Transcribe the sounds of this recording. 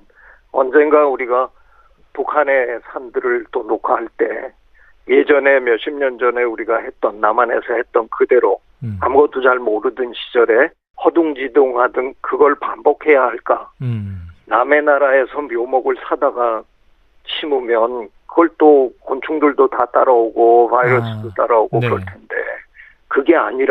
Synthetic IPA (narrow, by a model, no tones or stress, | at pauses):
ʌ̰nd͡ʑe̞nɡauɾiɡa | pukʰane̞sʰandɯɾɯɭt͈onokʰahaɭt͈e̞ | je̞d͡ʑʌnemjʌɕʰimɲʌnd͡ʑʌne̞uɾiɡahe̞t̚t͈ʌnːamane̞sʰʌhe̞t̚t͈ʌnkɯde̞ɾo | amuɡʌt͈od͡ʑaɭmoɾɯdɯnɕʰid͡ʑʌɾe̞ | hʌduŋd͡ʑidoŋhadɯnkɯɡʌɭpambʌkʰe̞jahaɭk͈a | name̞naɾae̞sʰʌmjomʌɡɯɭsʰadaɡa | t͡ɕʰimumjʌnkɯɡʌɭt͈okont͡ɕʰuŋduɭdotat͈aɾaoɡopʰaiɾʌs͈ɯdot͈aɾaoɡokɯɾʌɭtʰende̞̰ | kɯɡe̞aɲiɾ